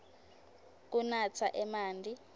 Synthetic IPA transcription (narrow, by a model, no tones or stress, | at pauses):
k̬unat͡sʰa̰ʔɛmaːndʱi